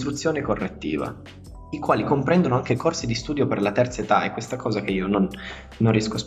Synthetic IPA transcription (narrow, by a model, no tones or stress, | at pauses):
t̪ɾut̪sːjoːnekorːet̪ːḭːva̰ | ikwaːlikompɾɛnd̪onoaŋk̟ekorsid̪ist̪uːd̪joperlat̪ɛrt̪saet̪aɛ̰kwest̪akɔːzak̟eiːononː | onrːijɛskos